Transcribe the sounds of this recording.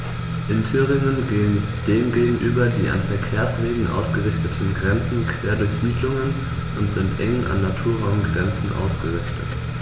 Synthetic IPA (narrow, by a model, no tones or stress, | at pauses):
ʔɪntʰyʁɪŋənɡeːən | d̥eːmɡeːɡŋ̩ʔyːbɐdiːʔa̰nfɛɐkʰeːɐsv̥eːɡŋ̩ʔa̰ʊsɡ̥əʁɪçtətʰn̩ɡʁɛnt͡sn̩kʰv̥eːɐdʊɐçz̥iːdlʊŋən | ʔʊntz̥ɪntʔɛŋənʔa̰nːatʰuːɐʁaʊmɡʁɛnt͡sn̩ʔa̰ʊsɡ̥əʁɪçtʰət